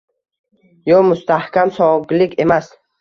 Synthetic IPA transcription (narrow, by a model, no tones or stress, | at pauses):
jɔmʊst̪ʰahkʲʰamsɒɡɪlikʰʲe̞mas